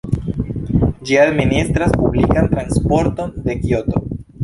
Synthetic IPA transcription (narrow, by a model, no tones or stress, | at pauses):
d͡ʒiad̪minist̪ɾaspublikant̪ɾanspo̞ɾto̞nde̞kjo̞to̞